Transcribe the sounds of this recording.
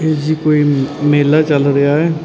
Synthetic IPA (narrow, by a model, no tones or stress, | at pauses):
ed͡ʒikoːimeːlat͡ʃɐlɾɐɦaɦɛː